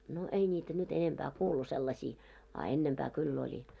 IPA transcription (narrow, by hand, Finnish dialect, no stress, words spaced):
no ei nʲiːtæ nyt enempæː kuːlu selːɑsiː ɑ enːempæː kylː olʲi